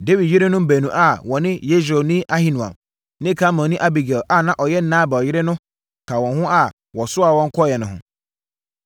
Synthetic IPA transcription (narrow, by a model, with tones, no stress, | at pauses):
de˦wi˨djɪ˦ɾe˦nʊ̃˦m̩˦bæ˨nũ˨ʔa˦wɔ̃˨nɪ̃˦je˦s̬o˨nĩ˦ʔa˦hĩ˨nũ˨a̰˨m | nɪ̃˦kʰa˦mã˨nĩ˦ʔa˦bi˨ɡɛ˨ʔa˨nã˦ʔɔ˨jɛ˦n̩˦nãː˦˨bɛ˨ɔ˨jɪ˦ɾɪ˦nʊ̃˦ | kʰa˨wɔ̃˨n˦hʊ̃˦ʔa˦ | wɔ̃˨sʊ˦a˨wɔ̃˦ŋ̩˦kʰɔ˦jɛ˨nʊ̃˨hʊ̰̃˨